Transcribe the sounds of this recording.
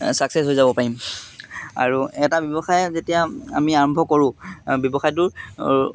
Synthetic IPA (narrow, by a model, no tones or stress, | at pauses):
saksesɦojzabɔpaɹim | a̰ɹuɛtabjɔbɔxajɛzetijaa̰miaɹɔmbʱɔkoɹʊ̃bjɔbɔxajt̬ʊɹ